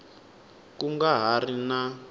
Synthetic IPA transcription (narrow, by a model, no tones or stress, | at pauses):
kuŋɡaɦarina